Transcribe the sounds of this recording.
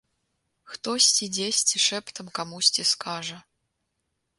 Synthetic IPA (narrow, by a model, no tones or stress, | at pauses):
xt̪osʲtʲidʲesʲtʲiʂɛpt̪ə̆mkamusʲtʲiskʰɑʐə̆